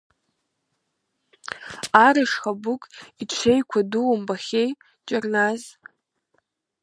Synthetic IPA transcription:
aɾɨʂχabʊkʼiʈ͡ʂʷʰejkʷʰaduwambaχʲej | t͡ʃʼarnaz

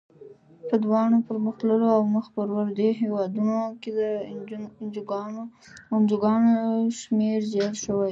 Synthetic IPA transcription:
pəd̪wɑɳopəɾməxləloawməxpəɾwaɾd̪eɦewɑd̪unoked̪ə | nd͡ʒɡ | ʊnd͡ʒuɡɑnoʃmeɾzeɽʃəwaj

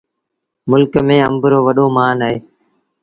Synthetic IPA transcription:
mʊlkmẽːə̰̃mbəɾoːʋəɗõːmaːnaːɦeː

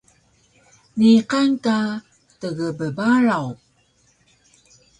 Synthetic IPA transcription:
niqanka | təɣəbəbaɾaw

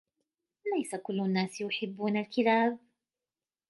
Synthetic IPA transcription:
lajsakʊlːʊnːaːsjʊħɪbːuːnalkɪlaːb

